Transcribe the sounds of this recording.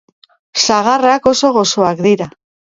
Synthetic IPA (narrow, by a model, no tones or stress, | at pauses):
saɣarako̞so̞ɣo̞so̞akd̪iɾa